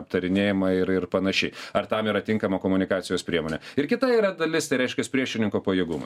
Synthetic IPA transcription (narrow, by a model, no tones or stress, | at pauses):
ɐp̚t̪ɐɾʲɪnʲeːjɪmɐɪɾɪɾpɐnɐʃʲɛɪɐɾt̪ɐmiːɾɐt̪ʲɪŋkɐmoːkoːmʊnʲɪkɑːt̪sʲɪjoːspʲɾʲiɛmoːnʲɛɪɾkʲɪt̪ɐiːɾɐd̪ɐlʲɪst̪ɐɪɾɛɪʃʲkʲɛspʲɾʲiɛʃʲɪnʲɪŋkoːpɐjeːɡʊmɐ̰